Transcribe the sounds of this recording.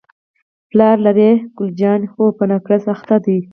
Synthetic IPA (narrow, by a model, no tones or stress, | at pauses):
plɑːɾlaɾeɡ̥ʊld͡ʒɑːnxopənakɾasaxt̪ad̪i